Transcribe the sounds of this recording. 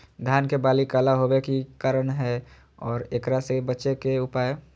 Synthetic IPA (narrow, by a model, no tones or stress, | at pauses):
d̪ʱjaːnkebaːlikaːlaɦobekikaɾənɦɛ | ɔːɾeːkɾasebətːʃekeʊpaːe